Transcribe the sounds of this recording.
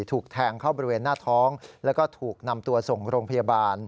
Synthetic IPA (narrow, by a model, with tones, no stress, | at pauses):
t̪ʰuː˨˩k̚t̪ʰɛː˧ŋkʰa˥˩wbɔː˧˥ɾi˥weː˧nːaː˥˩t̪ʰɔː˦˥ŋlɛː˦˥wkɔː˥˩t̪ʰuː˨˩k̚na˧mt̪u˧ɐso˨˩ŋɾoː˧ŋpʰa˧jaː˧baː˧n